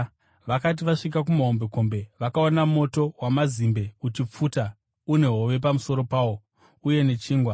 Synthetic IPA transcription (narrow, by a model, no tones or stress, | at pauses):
ʋakat̬iʋaʂik̬ak̬umaɦo̞mbe̞ko̞mbe̞ʋakaonamo̞to̞wamazimbe̞ut͡ʃip͡fuːta | une̞ɦoʋe̞p̬amuso̞ɾo̞paːwo̞ | uje̞ne̞t͡ʃiːŋɡwa